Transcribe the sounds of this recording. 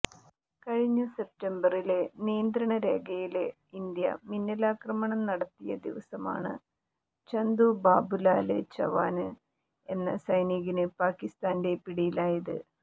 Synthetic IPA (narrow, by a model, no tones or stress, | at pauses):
kɐɻiɲːuse̞p̚tembɐrilenijɐnd̪ɾɐɳɐɾe̞ːɡɐjile | ind̪jɐ̰minːɐlaːkrɐmɐɳɐmnɐɽɐt̪ːijɐ̰d̪iʋɐsɐma̰ːɳɨ̰ | t͡ɕɐnd̪ubaːbulaːlɨ̰t͡ɕɐ̰ʋa̰ːnɨ | e̞nːɐ̰sɐjniɣinɨpaːkːist̪aːnde̞piɽijilaːjɐðɨ̰